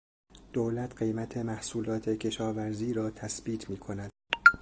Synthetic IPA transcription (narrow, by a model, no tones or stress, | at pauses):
d̪̥oːlæt̪ʰɢe̞jmæt̪ʰe̞mæhsuːlɒːt̪ʰe̞cʰe̞ʃɒːvæɾziːɾɒːt̪ʰæsb̥iːt̪ʰmiːkʰo̞næd̪̥